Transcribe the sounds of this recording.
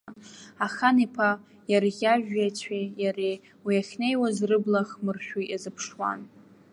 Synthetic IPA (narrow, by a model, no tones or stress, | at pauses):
aχanipʰa | jarɣʲaʒᶣat͡sʷʰejare | wiaχʲne̞jwazrɨblaχmɨrʃᶣiazɨpʰʂwa̰n